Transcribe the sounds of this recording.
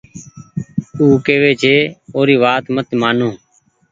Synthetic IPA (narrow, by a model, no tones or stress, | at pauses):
uːkeːʋeːt͡ʃʰeːoːɾiːʋaːt̪mət̪maːnõː